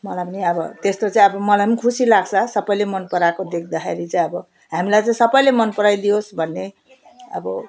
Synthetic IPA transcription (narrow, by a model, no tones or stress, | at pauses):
mʌlajpʌniʌbʌ̰t̪est̪ot͡saĩʌbʌmʌlajpʌnikʰusilaɡt͡sʰʌsʌpʌjlemʌnpʌɾakod̪ekʰd̪axʰḛɾit͡saĩʌbʌ | ɦamilajt͡saĩsʌpʌjlemʌnpʌɾajd̪iosbʱʌnːe | ʌ̰bʌ